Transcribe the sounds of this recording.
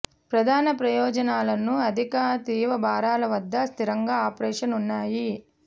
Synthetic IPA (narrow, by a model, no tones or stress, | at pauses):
pɾɐd̪ʱaːnɐpɾɐjɔːd͡ʒɐnaːlɐnuɐd̪ʱikaːt̪iːʋɐbʱaːɾaːlɐʋɐd̪ːɐst̪ʰiɾɐŋɡaːaːpɾɛːʂɐnunːaːji